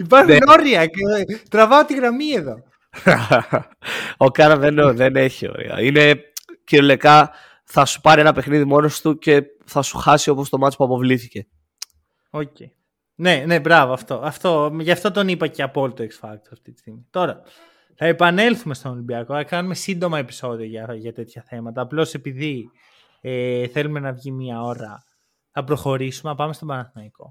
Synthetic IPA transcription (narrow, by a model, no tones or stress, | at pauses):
ipɐɾxneno̞ɾiɐkt̪ɾɐvɐot̪iɣɾɐmieðo̞ | okɐɾvenoðene̞çio̰ɾḭɐ̰ine̞ciɾolekɐ | θɐsu̥pɐɾienɐpe̞xniðimo̞nost̪uce̞ | θɐsu̥xɐsio̞po̞st̪o̞mɐt̪i̥puɐpo̞vliθice̞ | ocei | ne̞ne̞bɾɐvoɐft̪o̞ɐft̪o̞ʝɐft̪o̞t̪o̞nipɐce̞ɐpo̞lit̪oeksfɐk̚t̪o̥sɐft̪it̪i̥st̪iɣmit̪o̞ɾɐ | θɐe̞pɐne̞lθume̞st̪onolimbiɐkoθɐkɐnume̞sind̪o̞mɐe̞pi̥so̞ðio̞ʝɐʝɐt̪e̞t̪çɐθe̞mɐt̪ɐːplo̞se̞piði | eθe̞lume̞nɐvʝimiɐo̞ɾɐ̰ | θɐpɾo̞xo̞ɾisume̞nɐpɐmest̪obɐnɐθinɐiko̞